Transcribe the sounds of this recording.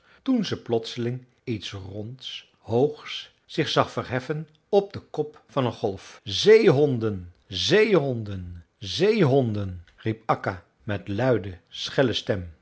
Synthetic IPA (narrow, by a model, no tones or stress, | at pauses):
tunzəplɔtsəlɪŋ | itsrɔnts | ɦowχs | sɪχsɑχfərɦɛfən | ɔb̚dəkɔp | fɑnənχɔlˠfzejɦɔndən | zejɦɔndən | zejɦɔndənripɑka | mɛtlœɥdəsχɛləstɛm